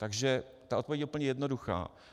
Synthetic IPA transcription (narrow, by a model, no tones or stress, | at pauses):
t̪aɡʒɛ | t̪aʔot̪̚povjɛɟjɛupl̩ɲɛjɛdnoduxa̰ː